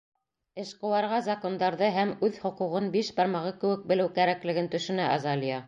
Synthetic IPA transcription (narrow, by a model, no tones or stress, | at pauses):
ɘ̆ʃqɤ̆wɑɾʁɑzɐko̞nd̪ɑɾðɤɦæmʉðhŏquʁɤnbiʃbɑɾmɑʁɤkɘ̆wɘk̚bɘ̆lɘwkæɾæklɘ̆ɡɘnt̪ɵ̆ʃɵ̆næʔɑzɑlijɑ